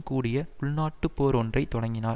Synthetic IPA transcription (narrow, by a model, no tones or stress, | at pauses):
kuːɽɪjɐʊɭnaːʈːɯpːoːɾɔndrɐɪt̪ːɔɽɐŋɡɪnaːɾ